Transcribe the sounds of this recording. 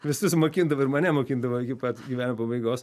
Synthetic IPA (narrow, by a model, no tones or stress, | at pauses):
ʋʲɪsʊsmoːkʲind̪ɐʋɐɪɾmɐnʲɛmoːkʲind̪ɐʋɐɪkʲɪpɐt̪ɡʲiʋʲæːnʲɪmɐpɐbɐɪɡoːs